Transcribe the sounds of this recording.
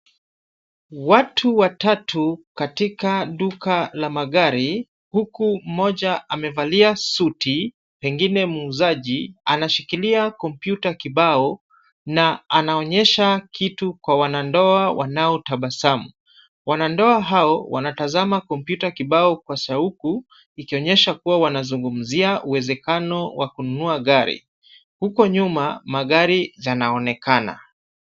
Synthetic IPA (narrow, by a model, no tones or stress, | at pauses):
watʰuwatatʰukatikaɗukalamaɠaɾi | hukum̩mɔʄaamɛvaliasuti | pɛŋɡinɛmuːzaʄianaʃikiliakɔmpjutakiɓaɔ | naanaɔɲɛʃakʰitukwawanandɔawʔa̰naɔtaɓasamu | wanandɔaɦaɔwa̰natazamakɔmpjutakiɓaɔkwasauku | ikiɔɲɛʃakuwawanazuŋɡum̩ziaʔuwɛzɛkanɔwakununuaɠaɾḭ | hukɔɲumamaɠaɾijanaɔnɛkana̰